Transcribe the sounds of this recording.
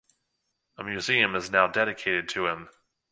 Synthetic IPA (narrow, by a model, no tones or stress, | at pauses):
əmjʉziɨ̃mɨznaʊdɛɾɨkʰeɪɾɨd̚tʰɨɪ̃m